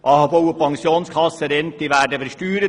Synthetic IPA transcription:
ʔɑːhɑbowəpɑŋsjoːnskʰɑsəɾɛnt̪ɪʋæːdəfəʃtyːɾə

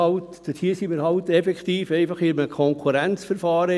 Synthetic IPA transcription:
ɑltd̥əshiːsimiːɾhɑltɛfɛkχt̪iːfɛɪfɑχɪməkʰɔŋkʰuɾɛnt͡sfəɾfɑːɾə

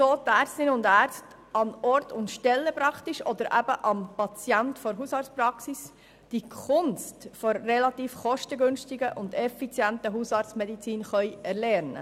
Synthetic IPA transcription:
soːt̪æːɾstɪnʊndæːɾt͡sst | ɑnɔɾtʊntʃtɛlːəpɾɑktiʃɔd̥̪əɾʔæbəʔɑmpɑt͡sjæntfɔɾɦusɑːɾt͡spɾɑksis | d̥ikʰʊnstfɔɾːɛlɑt̪iːfχɔʃtəɡʏnʃtɪɡəʔʊndɛfit͡sjæntəɦusɑːɾt͡smɛdit͡siːnχœʏɛɾlɛɾnə̰

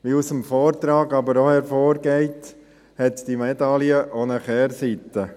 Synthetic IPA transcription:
ʋiusəmfɔːɾt̪ɾɑːɡɑbəɾohɛɾfɔːɾɡɛɪt | hɛt̪d̥imɛd̪ɑliəʔonəχɛːɾsit̪ːə

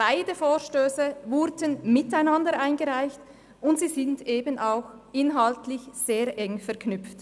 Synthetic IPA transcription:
b̥aɪdəfoːʃtøːsəvʊɾdənmɪtaɪnandəɾʔaɪnɡəʁaɪçt | ʊntz̥iːzɪndeːbənʔaʊx | ʔɪnɦaltlɪçz̥eːʁʔɛŋfɛɐʁkʰnʏp͡ft

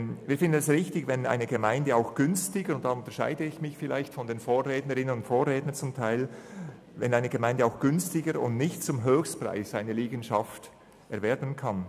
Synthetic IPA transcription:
viːɐfɪndən̩ɛsʁɪçtɪçvɛna̰ɪnəɡəmaɪndəaʊxɡ̥ʏnstɪɡəʊntd̥aʊntəɐʃa̰ɪdəɪçmɪçfɪla̰ɪçtfɔndeːnfoːʁɛːtnəɾɪnənʊntfoːʁɛːtnənt͡sʊmtʰaɪl | vɛnaɪnəɡ̥əmaɪndəaʊxɡ̥ʏnstɪɡəɾʊ̰ntnɪçtt͡sʊmɦøːçstpʁ̥a̰ɪsaɪnəliːɡən̩ʃaft | ʔɛɐvɛɾbənkʰan

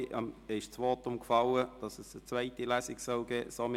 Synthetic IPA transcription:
ɪʃt͡sʋɔːtʊmkfɑləd̥ɑsəsət͡svæɪtilæsɪksɔlɡɛːsom

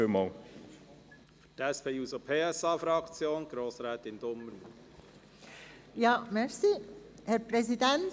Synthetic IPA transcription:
ømɑ | fytɛspʰeːuːsopʰeːɛsɑːfɾɑkt͡sjoːnɡ̥ɾoːsɾɛːt̪ɪnd̥̪omːəɾmu | jɑːmɛɹsiː | hɛɾpɾɛzidɛn

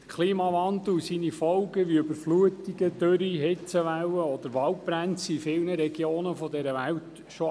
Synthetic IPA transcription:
kʰliːmɑvɑnd̪l̩sinifɔwɡəʋiøbəɾfluətiɡədøɾiɦɪt͡səʋæwəɔd̪əɾʋɑlt̚b̥ɾænt͡sifɪlnəɾɛɡ̥joːnəfɔdɛɾəʋæwt | ʃo

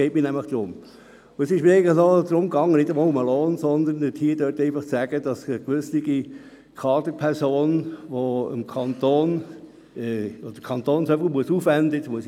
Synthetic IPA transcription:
ɛɪmiːnæmləχd̥ɾʊm | ʊəsɪʃmɪeɪnləχnɔd̪ɾʊmɡɑŋːənɪdʊmoʊməloːnsɔnd̪ənəthiːdøːɾtɛɪnfɑχt͡sæɡəd̥ɑsəkʋʏsliɡi | kʰɑːd̪əpʰɛɾsoːnʋoəmkʰɑnt̪oːn | ɛod̥əkʰɑnt̪oːnsœvəmuəsuːfʋændətmuəs

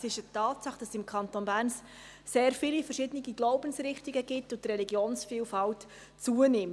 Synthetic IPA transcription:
sɪʃətɑːtsɑχd̥ɑsɪmkʰɑntonbæːrns | seːɾfilifərʃɪdəniɡiɡ̥loʊb̥ənsɾɪχtiɡəɡɪtːʊtrɛliɡjoːnsfiːlfɑlt | t͡suənɪm

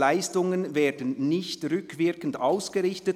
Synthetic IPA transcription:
aɪstʊŋənvɛːdənːɪçtʁʏkʰvɪɐkən̩daʊsɡ̥əʁɪçtət

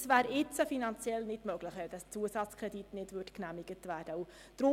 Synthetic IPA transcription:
svæːɾɪt͡səfinɑnt͡sjɛlnɪdmœɡ̥lɪχʋɛld̥ɑst͡suəsɑt͡skʰɾɛditnɪdvʏtknæmiɡətvæːd̥əu | d̥ɾʊ

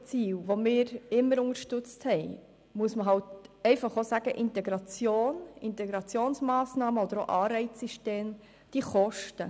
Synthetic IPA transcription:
t͡siːwʋomɪːɾɪmːəɾʊŋəɾʃtʏt͡sthɛɪ | muəsməɦɑltɛɪfɑχosæɡ̥əʔɪntɛɡɾɑt͡sjoːnɪnt̪ɛɡɾɑt͡sjoːnsmɑːsnɑːməɔd̥̪əɾo̰ʔɑːrɛɪt͡ssiʃteːm | d̪̥iːχɔʃtə

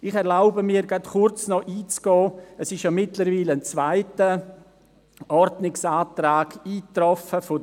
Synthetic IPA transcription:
ɪχɛɾlaʊbəmiːɾɡatχʊɾt͡snɔʔiːt͡sɡ̥ɔːɛsɪʃjomɪtləɾviːləənt͡svaɪtə | ʔɔɾdnɪksaːtɾaːɡ̥iːtɾɔfəfʊ

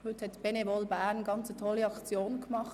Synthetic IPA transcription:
hʏthɛtb̥enebɔlbæːʁnɡɑnt͡sətʰɔlːiɑkt͡sjoːnkmɑχ

